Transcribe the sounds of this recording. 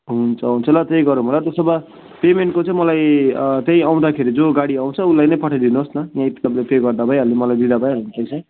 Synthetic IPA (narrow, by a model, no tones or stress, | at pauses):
ɦunt͡sʰʌɦunt͡sʰʌlʌt̪ejɡʌɾumʱolat̪ʌsʌbʌ | pemeɳʈ̚kot͡sʌ̃ĩmʌlajt̪eĩaw̃d̪akʰeɾid͡zoɡaɽiaw̃t͡sʰʌulajnʌjpʌʈʰad̪inuɦosnʌjãpit̪ʌblepeɡʌrd̪abʱʌĩɦʌlemʌlajd̪id̪abʱʌjɦʌlent̪ʌjt͡sʰʌ̃